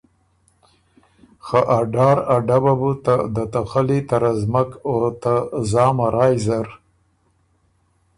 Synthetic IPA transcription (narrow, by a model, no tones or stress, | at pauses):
xaʔaɖɑːɾaɖababut̪ad̪ət̪axalit̪aɾazmakot̪azɑːmaɾɑjzaɾ